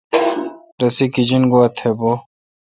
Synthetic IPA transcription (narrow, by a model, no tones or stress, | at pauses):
d̪ɐsikid͡ʑinɡoɐt̪ʰebo